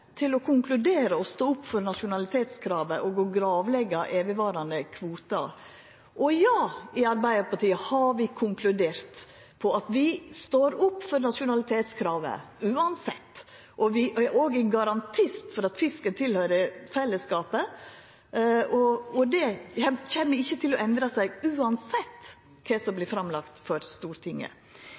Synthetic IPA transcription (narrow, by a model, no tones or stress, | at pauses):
t̪ʰɪlɔkʰʊŋklʉd̪eːɾəɔst̪oːʊpːfɔɾnɑʂʊnɑlɪt̪ʰeːt̪skʰɾɑːʋəʔɔɡoɡɾɑːʋlɛɡɑʔeːʋəʋɑːɾɑnd̪əkʰʋuːt̪ɑ̰ | ʔɔjɑːɪɑɾbæɪəɾpɑʈiːəhɑɾʋɪkʰʊŋkʰlʉd̪eːɾt̪ | pʰɔɑt̪ʋɪst̪oːɾʊpːfɔɾnɑʂʊnɑlɪt̪ʰeːt̪skʰɾɑːʋə̰ʉːɑnsɛt̪ː | ʔɔʋɪoːɡɛɡɑɾɑnt̪ʰɪst̪fɔɾɑt̪fɪskənt̪ʰɪlhœʏɾəfɛlːəskɑːpə | ɔɔd̪ɛɛçɛnːəɾɪçːət̪ʰɪlɔʔɛnd̪ɾɑsæɪɡʉːɑnsɛt̪ː | kʰɛsɔmblɪfɾɑmlɑkt̪fɔɾst̪uːɾt̪ʰɪŋːə̰